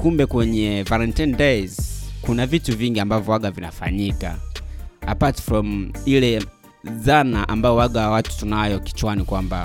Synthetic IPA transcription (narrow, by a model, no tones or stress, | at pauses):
kumbɛkwɛɲɛvalɛntindɛzkunavituviŋɡiambavjɔwaɠavina̰fa̰ɲika̰ | apatfɹɔmilɛ | zanaʔambajɔwaɡawatu̥tunajɔki̥t͡ʃwanikwamba